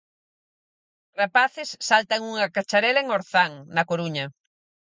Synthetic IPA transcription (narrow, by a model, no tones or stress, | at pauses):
rapaθɪsːalt̪aŋuŋɐkat͡ʃaɾɛlɐeŋoɾθaŋnɐkoɾuɲɐ